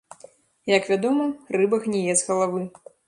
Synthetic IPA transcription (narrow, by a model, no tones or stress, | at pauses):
jɐkvʲad̪ɔmɐrɨbɐxnʲɛjɛzɣɐlˠavɨ